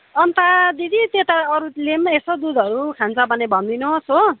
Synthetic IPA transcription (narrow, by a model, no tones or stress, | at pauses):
ʌnt̪ad̪id̪it̪et̪aʌɾulemesʌd̪ud̪ʱʌɾukʰant͡sʌbʌnebʱʌnd̪inoso